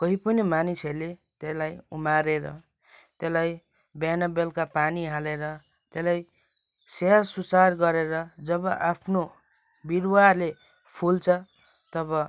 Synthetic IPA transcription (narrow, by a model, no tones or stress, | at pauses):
kʌɦipʌnemaniselet̪elajumaɾeɾʌ̰ | t̪elaj | banʌbelkapaniɦaleɾʌ | t̪elaj | seasusarɡʌɾeɾʌd͡zʌbʌʔapʰno | birwale | pʰult͡sʰʌ | t̪ʌbʌ